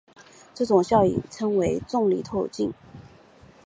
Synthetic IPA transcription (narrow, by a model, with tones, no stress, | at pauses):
ʈ͡ʂɤ˥˩ʈ͡ʂʊ˨˩ŋɕjɑ˥˩ʊḭ˨˩ʈ͡ʂʰɤ˥ŋwe˧˥ɪt͡sʊ˥˩ŋli˨˩t̪ʰo˥˧ʊt͡ɕi˥˧ŋ